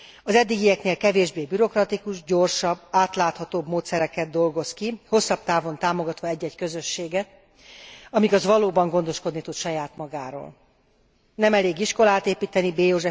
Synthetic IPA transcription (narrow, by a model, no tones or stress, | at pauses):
ɒzɛd̪ːiɡijɛkneːlkɛveːʒbeːbyɾo̞krɒt̪ikuʒɟo̞rʃɒbːaːt̪laːt̪hɒt̪oːbmoːt̪sɛɾɛkɛd̪̚d̪o̞lɡo̞skiho̞sːɒb̚t̪aːvo̞nt̪aːmo̞ɡɒt̪ʋɒɛɟːɛckø̞zøʃːeːɡɛt̪̚ | ɒmiɡɒzʋɒloːbɒŋɡo̞nd̪o̞ʃko̞d̪nit̪ut̪ʃɒjaːt̪mɒɡaːɾo̰ːl | nɛmɛleːɡiʃko̞laːt̪eːpiːt̪ɛnibeːjoʒɛ